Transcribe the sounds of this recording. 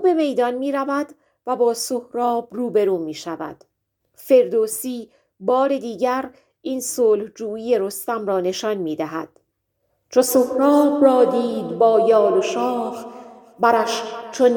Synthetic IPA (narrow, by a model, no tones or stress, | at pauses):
uːbe̞me̞jd̪ɒnmiːɾævæd̪ | væbɒːsohɾɒːbruːbe̞ɾuːmiːʃævæ̰d̪̥ | fe̞ɾd̪oːsiː | bɒːɾe̞d̪iːɟæɾ | iːnsoːlhd͡ʒuːiːje̞ɾo̞st̪æmrɒːne̞ʃɒnmiːd̪æɦæ̰d̪̥ | t͡ʃʰosohɾɒːbrɒːd̪iːd̪bɒːjɒːloʃɒːf | bæɾæʃt͡ʃʰon